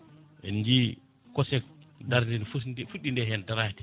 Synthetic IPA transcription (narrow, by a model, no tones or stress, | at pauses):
ʔɛ̰nd͡ʒi | kɔsɛk̚daɾdinfufuɗːindɛhɛndaɾatɛ̥